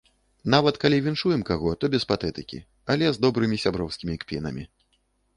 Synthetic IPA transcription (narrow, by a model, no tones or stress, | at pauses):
navɐt̪kalʲivʲinʂujɛmkaɣɔt̪ɔbʲɛspat̪ɛt̪ɨkʲḭ | alʲɛzd̪ɔbɾɨmʲisʲabɾɔwskʲimʲikpʲinɐ̰mʲi